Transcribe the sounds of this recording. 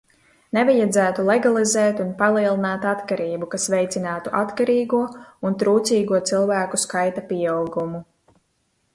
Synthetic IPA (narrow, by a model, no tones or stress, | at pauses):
nɛvajad̪zæːt̪ulˠɛɡalˠizɛːt̪unpalˠiɛlˠinaːt̪at̪kaɾiːbukasvɛjt̪sinaːt̪uʔat̪kaɾiːɡuɔunt̪ɾuːt̪siːɡuɔt̪silˠvæːkuskajt̪apiɛawɡumu